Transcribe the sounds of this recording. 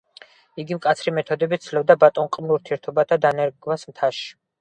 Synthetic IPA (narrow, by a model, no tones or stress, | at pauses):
iɡimkʼat̪sʰɾimɛt̪ʰɔd̪ɛbit̪sʰlɛbd̪abat̪ʼɔnqʼmlˠuɾt̪ʰiɛɾt̪ʰɔbat̪ʰad̪anɛɾɡvasmt̪ʰaʃi̥